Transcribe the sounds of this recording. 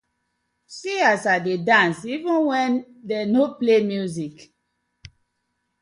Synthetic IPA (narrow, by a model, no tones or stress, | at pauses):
siasadedãnsivĩnwɛ̃n | dɛnoplemjuzik